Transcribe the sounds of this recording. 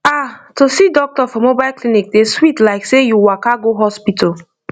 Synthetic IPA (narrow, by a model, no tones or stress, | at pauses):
atosidɔk̚tɔfɔ̃mobaɪlklinik̚deswitlaɪksejuwakaɡoɦɔspitʰɔl